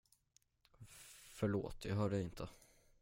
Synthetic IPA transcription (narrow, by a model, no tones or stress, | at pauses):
fœɭo̰ːt̪jɑɦœːɖɛɪnt̪ʰə